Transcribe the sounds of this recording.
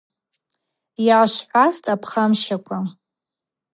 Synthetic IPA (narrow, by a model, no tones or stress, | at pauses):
jaːʃʷħʷastʰʼapʰχamʃakʷʰʼa